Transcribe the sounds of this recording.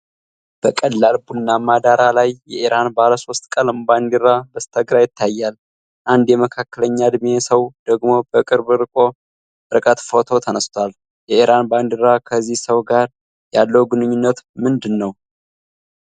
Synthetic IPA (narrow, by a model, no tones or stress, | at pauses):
b̥əkʼəlːalbunːamad̪aɾalajːɛʔiɾanbahləso̞st̪ʼkʼəlmband̪iɾabəst̪ʰəɡɾajɪt̪ːajːal | ʔand̪jɛməkʰakːələɲːad̪mesəwd̪̥əɡmo̞bəkʼɨɾbɨɾɨkʼo̞ | ɾɨkʼət̪fo̞t̪ʰo̞t̪ʰənəst̪ʰwal | jɛʔiɾanband̪iɾakʰəzːihsəwɡaɾ | jalːəwuɡɨnɨɲːunːət̪mɨnd̪ɨnːəw